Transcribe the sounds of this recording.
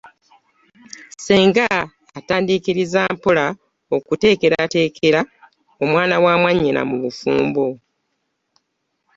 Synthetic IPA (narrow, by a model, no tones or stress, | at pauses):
seːŋɡaː | taːndiːkiɾizaːmpola | o̞kute̞ːke̞ɾate̞ːkʰe̞ɾa | o̞mwaːnawaːmwaɲːina̰muβufuːmbo̞